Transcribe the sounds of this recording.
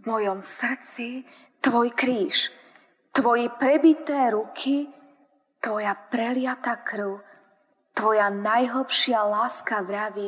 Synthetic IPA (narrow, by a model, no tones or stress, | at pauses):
vmɔjɔmsr̩t͡si | t̪ʋɔjkɾiːʃ | t̪ʋɔjɛpɾɛbit̪ɛːɾukʰi | t̪ʋɔjapɾɛlɪat̪akɾʊ | t̪ʋɔjanajɦl̩pʃɪalaːskaʋɾaʋi